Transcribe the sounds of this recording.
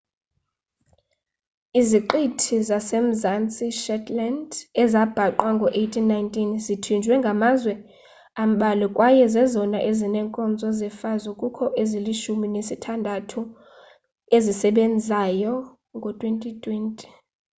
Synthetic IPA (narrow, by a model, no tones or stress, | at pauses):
iziǃitʰizasem̩zant͡sʼiʃɛtʰʼlandɛzab̥ʱaǃwaŋɡʱɔʔejtʰʼinːajntʼinzitʰind͡ʒʱwɛŋɡʱamazwɛ | am̩ɓalɛkʼwajɛzɛzɔnaʔezinɛŋkʼɔnd͡zʱɔzɛfazukʼukʰɔʔeziliʃuminesitʰandʱatʰu | ezisɛɓend͡zʱajɔ | ŋɡʱɔtʼwentʼitʰʼwɛntʼi̥